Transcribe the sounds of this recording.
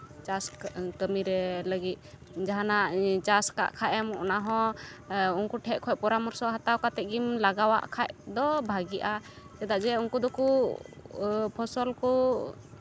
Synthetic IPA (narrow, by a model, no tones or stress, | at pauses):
t͡ʃaskəmiɾɛləɡit̪̚ | d͡ʒaɦanat͡ʃaska̰ʔkʰaʔɛmɔ̰naɦɔ̃ | unkuʈʰɛʔ̚kʰɔʔ̚pɔɾamɔɾsɔɦat̪awkat̪ɛɡimlaɡawa̰ʔkʰaʔd̪ɔbʱaɡiʔa | t͡ʃɛd̪aʔd͡ʒɛunkud̪ɔku | pʰɔsɔlkɔ